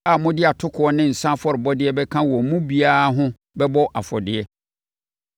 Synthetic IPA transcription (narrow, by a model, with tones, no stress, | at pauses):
a˨mʊ̃˦dɪ˦a˨tʰʊ˦kʰʊ˨˦ɔ˦nɪ̃˦n̩˨sã˦fɔ˦ɾɪ˨bɔ˦dɪ˦ɛ˦bɛ˦kʰã˦wɔ˨˦mũ˦bi˦a˦ɦʊ̃˦ | bɛ˦bɔ˦ʔa˨fɔ̰˨dɪ˨ɛ˦